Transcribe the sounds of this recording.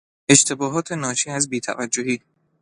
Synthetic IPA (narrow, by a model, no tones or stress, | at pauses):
ʔe̞ʃt̪ʰe̞bɒːɦɒːt̪ʰe̞nɒːt͡ʃʰiːæzbiːt̪ʰæ̰væd͡ʒːohiː